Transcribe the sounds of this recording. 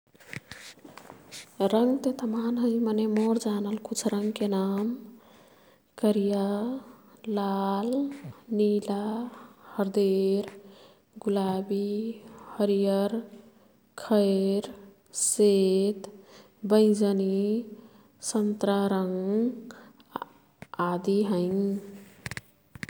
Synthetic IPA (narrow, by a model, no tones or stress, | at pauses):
ɾəŋɡt̪et̪əmanɦəimənemoɾd͡ʒanəlkut͡ʃʰɾəŋɡkenam | kəɾija | lalnilahəɾd̪eɾ | ɡulabihəɾijəɾ | kʰəɪɾ | set̪ | bə̃ɪ̃d͡ʒəni | sənt̪ɾaɾəŋɡ | ad̪iɦəɪŋ